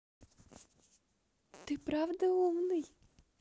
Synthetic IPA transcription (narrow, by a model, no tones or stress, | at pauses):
t̪ɨpɾavd̪əumnɨj